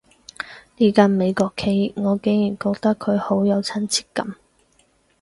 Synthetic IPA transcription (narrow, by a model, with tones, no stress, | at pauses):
liː˥kɐ˧nme˨˧jkɔː˧kʰːe˨˥jŋɔː˨˧ke˨˥ŋjyː˨˩nkoː˧k̚t̪ɐ˥kʰɵ˨˧ɥho˨˥wjɐ˨˧wt͡sʰɐ˥nt͡sʰi̥ː˥t̚kɐ̰˨˥m